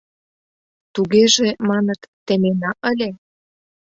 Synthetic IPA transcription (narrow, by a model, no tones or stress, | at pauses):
t̪uɣeʒemɑnət̪ːĕmenɑʔə̆lʲe